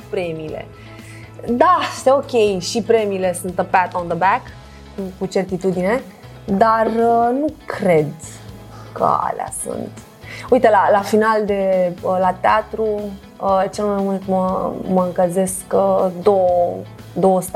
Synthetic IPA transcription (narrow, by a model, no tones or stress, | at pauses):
pɾe̞miːle̞̰ | d̪ast̪eo̞kʲe̞jʃipɾe̞miːle̞sunt̪əpat̪ond̪əbæk | ukut͡ʃe̞rt̪it̪ud̪ine̞ | d̪arənukɾe̞d̪ | kə̰a̰la̰sṵnt̪ | ujit̪elalafinald̪e̞əlat̪eat̪ɾu | ət͡ʃe̞lmajmunt̪məməɨŋkəze̞skəd̪ow | d̪o̞wəst̪